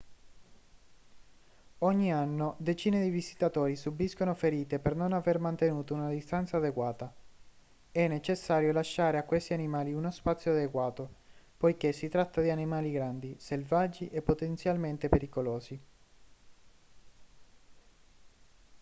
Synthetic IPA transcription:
ɔɲːianːod̪et͡ʃiːned̪ivizi̥t̪at̪oːɾisubiskonofeɾiːt̪epernonavermant̪enuːt̪ounad̪ist̪ant̪saːd̪eɡwaːt̪a | ɛnːet͡ʃesːaːɾjolaʃːaːɾeakːwest̪ianimaːliunospat̪sjoad̪eɡwaːt̪opojkesːit̪ɾat̪ːad̪ianimaːliɡɾand̪iselvad͡ʒiʔepːot̪ent̪sjalment̪epeɾikoloːzi

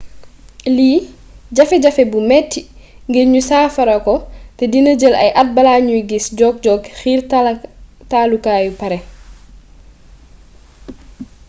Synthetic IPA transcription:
liː | ɟɐfɛɟɐfɛbumɛtːi | ŋɡiɾɲusaːfɐɾɐkɔtɛdinəɟəlɐ̰jʔɐt̚bɐlaːɲujɡisɟɔːk̚ɟɔːɡxiːr | taːlukaːjupɐɾɛ

